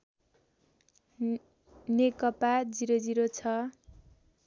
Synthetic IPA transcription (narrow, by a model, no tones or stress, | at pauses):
nekʌpad͡ziɾʌd͡ziɾot͡sʰʌ